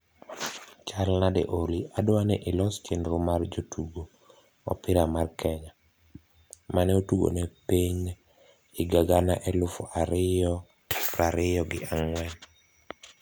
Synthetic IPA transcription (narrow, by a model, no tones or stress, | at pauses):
t͡ʃalnadɛ̰ʔoliʔadwanɛʔɪlɔst͡ʃendɾʊmard͡ʒotuɡo | ɔ̰pɪɾamarkʰɛɲa | manɛotuɡo̰nepiɲ | ɪɡaɡanaʔɛlʊfɔʔaɾɪjɔ | pɾaɾɪjɔɡɪ̰aŋwɛn